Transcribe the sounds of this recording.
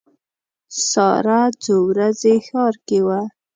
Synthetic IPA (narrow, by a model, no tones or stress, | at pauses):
sɑ̰ɾad͡zowɾazexɑɾkewa